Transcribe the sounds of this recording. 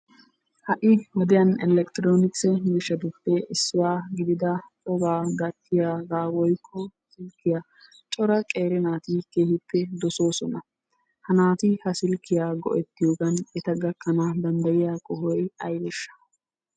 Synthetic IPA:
hɐʔɪwɔd̪ɪjɐnɛlɛkt̪ɪɾoːnɪksɛmɪʃːɐd̪ʊpːɛʔɪsːʊwaːɡɪd̪ɪd̪ɐtʼɔbaːɡɐt̪ʰːɪjaːɡaːwɔjkʰːɔsɪlkːɪjaː | t͡ʃʼɔɾɐkʼe̞ːɾɪnaːt̪ɪkeːhɪpːɛd̪ɔso̞ːsɔnɐ | hɐnaːt̪ɪhɐsɪlkːɪjaːɡɔ̰ʔɛt̪ːɪjoːɡɐnɛt̪ɐɡɐkːɐnɐd̪ɐnd̪ɐjɪjaːkʼɔɦɔjɐjbɛʃːɐ̥

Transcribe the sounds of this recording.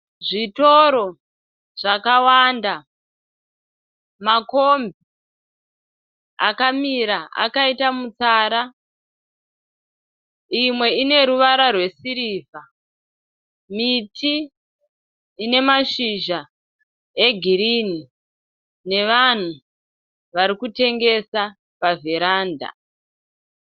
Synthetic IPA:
ʐitoɾo̞ | ʐ̥akawanda | makombi | a̰kamiɾaa̰kaitamut͡saːɾa | imwe̞ine̞ɾuʋaɾarwe̞siɾiːvʱa | mitʰi | ne̞maʃiʒa | e̞ɡʱiɾini | ne̞ʋan̤u | ʋaɾikute̞ŋɡe̞sa | paveɾaːnda̰

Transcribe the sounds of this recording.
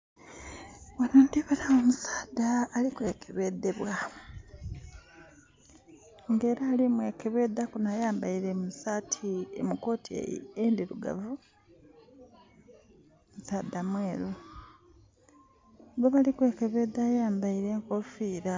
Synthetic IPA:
wonond̪iβanaomusaːd̪aːlikwe̞ːkʰeβe̞deβwa | ŋɡe̞ːɾaːlimweːkeβe̞ːd̪akunajaːmbaiɾemusatʰiḛmuko̞ːtʰḭend̪iɾuɡa̰vu | musaːd̪amweːɾu | ɡoβalikwe̞ːkeβe̞d̪ajaːmbaiɾe̞ːŋkofiːɾa

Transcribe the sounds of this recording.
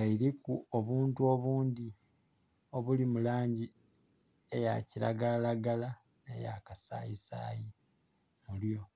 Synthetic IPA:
aiɾikuoβuːntuo̞βuːnd̪i | o̞βulimulaːɲɟi | e̞ja̰ciɾa̰ɡalalaɡala | nḛja̰kasa̰ːjisa̰ji | muljo̞

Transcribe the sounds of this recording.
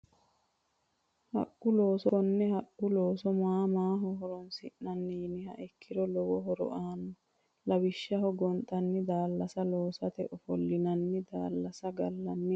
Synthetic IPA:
hɐ̰ʔːʊloːsɔnːɛhɐʔʊloːsɔmaːmaːɦɔɦɔɾɔnsɪʔnɐnːinɪhɐ̰ʔɛkːɪɾɔlɔwɔɦɔɾɔ̰ʔaːnːɔ | lɐwɪʃːɐɦɔɡɔnt̪ʼɐnːɪd̪aːlːɐsɐloːsɐt̪ɛʔɔfɔlːɪnɐnːɪd̪aːlːɐsɐɡɐlːɐnːɪ

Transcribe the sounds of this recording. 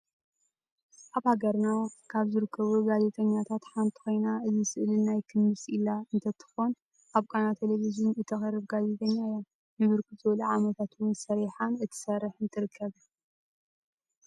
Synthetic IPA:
ʔaβhaɡɐɾnakʰaβzɨɾɨkʰːɐβuɡaze̞t̪ʼɐɲːat̪ʰat̪ħant̪ʰi̥xo̞jnaɨzɨsɨʔlɨnajkʰɨnːɨsʼilaɨnt̪ʰɐt̪ʰɨ̥xon | ʔaβkʼanat̪ʰelevizunɨt̪ʰɐxɐrːɨβɡaze̞t̪ʼɐɲːajom | nɨβɨɾkɨzɨwɐluʕamɐt̪ʰat̪wʊnsɐɾiħanɨt̪ʰɨ̥sɐrɨħɨnt̪ʰɨɾɨkʰːɐβ

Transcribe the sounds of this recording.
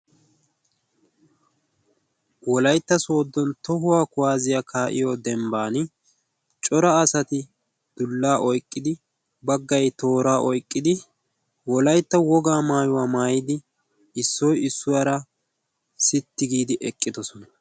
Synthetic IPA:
wɔlɐjt̪ːɐso̞ːd̪ːɔnt̪ɔɦʊwaːkʊwaːzɪjakʰaːʔɪ̰jɔd̪ɛmbaːnɪ | t͡ʃʼɔɾɐːsɐt̪ɪ | d̪̥ʊlːaːʔɔjkʼːɪd̪ɪ | bɐɡːɐjt̪o̞ːɾaːʔɔjkʼːɪd̪ɪ | wɔlɐjt̪ːɐwɔɡaːmaːjʊwaːmaːjɪd̪ɪ | ɪsːɔjɪsːʊwaːɾɐ | sɪt̪ːɪɡiːd̪ɪʔɛkʼːɪd̪ɔsɔnɐ

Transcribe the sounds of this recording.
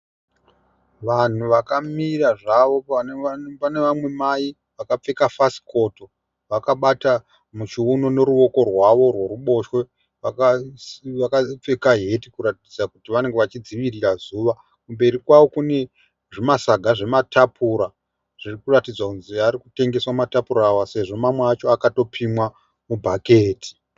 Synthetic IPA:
ʋan̤uʋakamiraʐaʋo̞ | pane̞ʋamwe̞maji | ʋakap͡fe̞kafasi̥ko̞to̞ | ʋakaɓata | mut͡ʃiuno̞ne̞ɾuʋo̞ko̞rwaʋo̞rwe̞ruɓo̞ʃwe̞ | ʋakaʋakap͡fe̞kaɦe̞tikuɾatid͡zakutiʋane̞ŋɡeʋat͡ʃid͡ziʋirirazuːʋa | kumbe̞ɾikwaʋo̞kune̞ | ʐimasaɡʱaʐe̞matʰapʰuɾa | ʐ̥irikuratid͡zwakunziaɾikute̞ŋɡe̞swamatapuɾaːwase̞ʐo̞mamweat͡ʃo̞akato̞pʰimwa | mubʱakeːti̥

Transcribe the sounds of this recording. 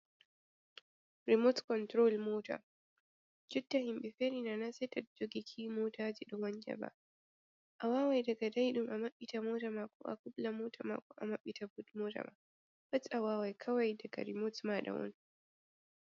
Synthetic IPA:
ɾimotkɔntɾolmoːta̰ | d͡ʒudːahimɓɛfeɾinanasɛtɛt̚d͡ʒoɡikʰiːmoːtaːd͡ʒiɗɔmaɲd͡ʒa̰ba̰ | ʔawaːwajdaɡadajɗumʔamaɓːitamoːtamakɔ̰ʔa̰kublamoːtʰama̰kɔʔa̰maɓːitabutmoːta̰ma̰ | batʔawaːwajkʰawajdaɡa̰ɾimotmaɗa̰wɔ̰n

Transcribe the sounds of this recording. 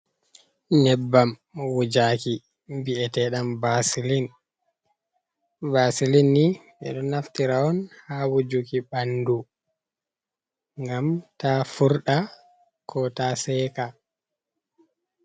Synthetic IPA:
ɲɛbːamwud͡ʒaki | biɛtɛɗambasilin | basilinːiɓɛ̰ɗɔnːaftiɾaɔnhawud͡ʒukiɓandu | ŋɡamtafuɾɗa | kʰɔtasɛːka

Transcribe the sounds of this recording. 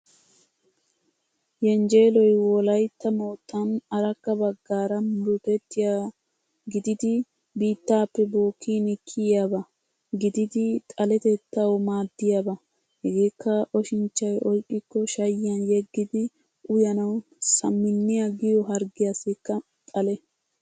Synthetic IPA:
jɛnd͡ʒe̞ːlɔjwɔlɐjt̪ːɐmo̞ːt̪ʼːɐnɐɾɐkːɐbɐɡːaːɾɐnɾʊt̪ɛt̪ːɪja | ɡɪd̪ɪd̪ɪ | biːt̪ːaːpːɛboːkʰːiːnɪkʰːɪjjabɐ | ɡɪd̪ɪd̪ɪt̪ʼɐlɛt̪ɛt̪ːɐwmaːd̪ːɪjabɐ | hɛɡe̞ːkːɐʔɔʃɪnt͡ʃːɐjɔjkʼːɪkːɔʃɐjːɪjɐnjɛɡːɪd̪ɪ | ʔʊjɐnɐw | sɐmːɪnːɪjɐɡɪjɔɦɐɾɡɪjasɪkːɐ | t̪ʼɐlɛ

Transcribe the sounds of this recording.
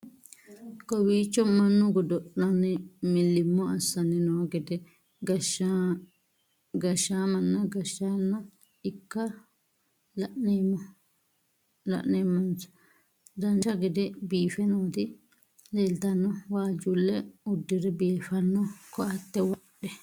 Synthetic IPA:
kɔwiːt͡ʃːɔmanːuɡɔdɔɗːanɛmilːimːɔasanɛnɔɡɛdɛ | ɡa | ɡaʃamanːaɡaʃanːa | ikːa | laʔnɛmɔ | la̰ʔnɛmand͡ʒḁ | danʃaɡɛdɛbiːfɛnɔt̪i | lɛlt̪anːɔwaːd͡ʒulːɛudːiɾɛbiːfanːɔkɔat̪ːɛwaɗɛ

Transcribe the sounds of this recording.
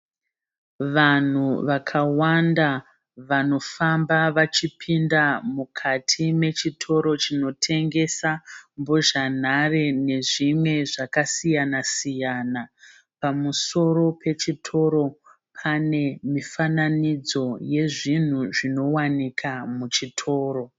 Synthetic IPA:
ʋan̤uʋakʰawanda | ʋano̞fambaʋat͡ʃipʰindamukʰatʰime̞t͡ʃitʰo̞ɾo̞t͡ʃino̞tʰe̞ŋɡe̞sambo̞ʒan̤arene̞ʐimwe̞ʐakasijanasijaːna | pamuso̞ɾo̞pʰe̞t͡ʃitʰo̞ɾo̞ | pʰane̞mifananid͡zo̞je̞ʐin̤uʐino̞wanikʰamut͡ʃitʰo̞ːɾo̞

